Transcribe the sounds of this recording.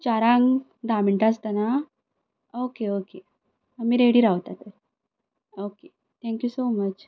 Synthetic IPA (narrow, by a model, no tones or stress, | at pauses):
t͡ɕaɾãŋ | ɖameɳʈast̪ana | okeoke | amiːɾeɽiɾaʋt̪at̪əɾ | oke | t̪ʰɛ̃ŋkjusomət͡ɕ